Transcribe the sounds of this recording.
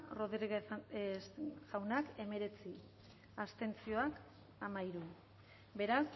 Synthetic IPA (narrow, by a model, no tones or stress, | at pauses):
roðɣ | ʝawnake̞me̞ɾe̞t͡si | ast̪e̞nt͡sio̞ak | amaiɾu | be̞ɾas